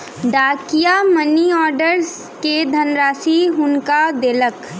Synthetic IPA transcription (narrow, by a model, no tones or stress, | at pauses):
ɖaːkijamɐniɔːɾɖəɾs | ked̪ʱɐnɾaːsiɦʊnkad̪elək